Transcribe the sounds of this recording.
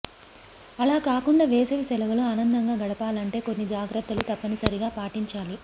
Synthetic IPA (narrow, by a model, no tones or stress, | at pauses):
ɐlaːkaːkuɳɖaːʋeːsɐʋisɛlɐʋɐloːaːnɐnd̪ɐŋɡaːɡɐɽɐpaːlɐɳʈe̞ːko̞nːid͡ʒaːɡɾɐt̪ːɐlut̪ɐpːɐnisɐɾiɡaːpaːʈiɲt͡ʃaːli